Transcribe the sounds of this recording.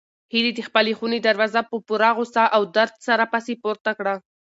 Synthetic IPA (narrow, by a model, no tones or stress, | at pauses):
hid̪id̪əxpəlexuned̪aɾwɑzapəpuɾɑɣosaʔawd̪aɾd̪saɾapɑsepoɾt̪akɽa